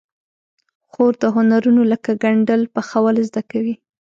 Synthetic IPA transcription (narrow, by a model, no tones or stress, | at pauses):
xoɾd̪əɦʊnaɾunoləkaɡaɳɖəlpəxawalzd̪akawi